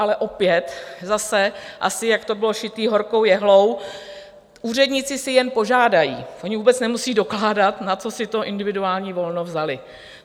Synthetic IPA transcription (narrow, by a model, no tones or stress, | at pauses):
alɛʔo̞pjɛt̪zasɛʔa̰sɪjakt̪o̞bɪloʃɪt̪iːɦo̞ɾkowjɛɦlo̞w | ʔuːr̝ɛdɲɪt͡sɪsɪjɛnpo̞ʒaːdajḭːʔoɲɪvuːbɛt͡snɛmusiːdo̞klaːdat̪nat͡so̞sɪt̪o̞ʔɪndɪvɪduaːlɲiːvo̞lnovzalɪ